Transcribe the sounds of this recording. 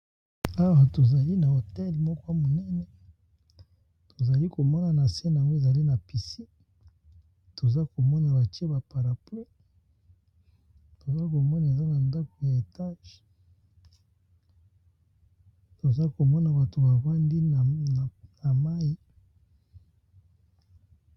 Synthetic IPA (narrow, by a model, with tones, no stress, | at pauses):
a˦wa˨to˨za˨li˦na˨o˨tɛ˦lmɔ˦kwa˦mo˨nɛ˦nɛ˨ | to˨za˨li˦ko˨mɔ˦na˨na˨sɛ˦n˨a˨ŋɡo˦e˦˨za˨li˦na˨pi˨si˦ | to˨za˦ko˨mɔ˦na˨ba˨ti˦e˦ba˨pa˨ʁa˨ple˦ | to˨za˦ko˨mɔ˦na˨e˨za˦na˨nda˦ko˨ja˨e˨ta˦ʒ | to˨za˦ko˨mɔ˦na˨ba˨to˨ba˨ba˦ndi˦˨na˨ma˦i˦